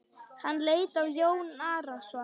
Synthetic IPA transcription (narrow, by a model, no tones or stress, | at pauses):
hanːlejt̪awjownaɾaswa